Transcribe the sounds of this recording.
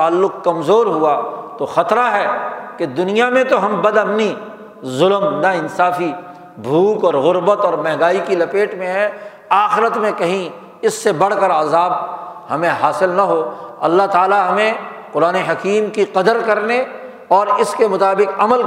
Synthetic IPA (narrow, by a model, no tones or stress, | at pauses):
aːlːʊqkːɐmzoːɾɦuat̪oxɐt̪ɾaɦɛːked̪ʊnijamẽt̪oɦɐmbɐd̪ɐpni | zʊlmnɐɪnsaːfi | bʱuːkɔːɾɣʊɾbət̪ɔːɾmɛɦɡaːikilɐpeːʈmẽɦɛ | aːxɪɾət̪mẽkɐɦĩ | ɪsːebɐɽ̤kəɾaːzaːb̚hɐmẽɦaːsɪlnɐɦoːɐ̰lːaɦt̪aːlaɦɐmẽ | qʊɾaːneɦɐkiːmkiqɐd̪əɾkɐɾne | ɔːɾɪskemʊt̪aːbɪqɐməl